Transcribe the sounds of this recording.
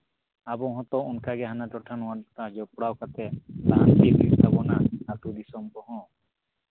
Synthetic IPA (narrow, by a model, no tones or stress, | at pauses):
abɔɦɔ̃t̪ɔɔnkʰaɡɛɦanat͡ʃɔʈʰanɔwaɾt̪ad͡ʒɔpɽawkat̪ʰɛt̪aɦant̪ipɾist̪ʰabɔnaat̪ud̪isɔmbɔɦɔ̃